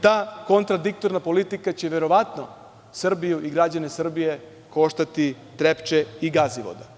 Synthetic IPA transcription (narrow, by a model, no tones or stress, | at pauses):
t̪aːkont̪ɾad̪ik̚t̪o̞ɾnapo̞lit̪ikat͡ɕeʋe̞ɾo̞ʋat̪no | sr̩bijuʔiɡɾad͡ʑanesr̩bije̞ | ko̞ʃt̪at̪i | t̪ɾept͡ʃeiɡaziʋo̰d̪a